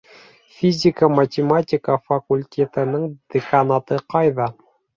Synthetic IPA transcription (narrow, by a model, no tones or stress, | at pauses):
fʲizʲikamat̪ʲematʲikafakulʲt̪ʲet̪ɘ̆nɘŋd̪̥ekanɑt̪ɤqʰɑjðɑ